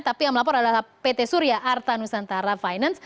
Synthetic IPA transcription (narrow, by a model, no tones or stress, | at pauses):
t̪apijaŋməlap̬ɔɾadapet̪esuɾjaʔart̪anusant̪aɾafajnans